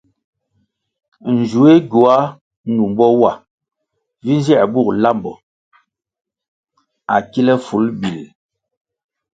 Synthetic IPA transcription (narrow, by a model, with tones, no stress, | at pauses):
n̩˨d͡ʒu˨˦e˦ɡu˨a˦ | nu˨m˨bɔ˦wa˦˨ | vi˦n˦zi˦a˨bu˦˨kla˦mbɔ̰˨ | a˨ki˦lɛ˦fu˨˦lbi˨l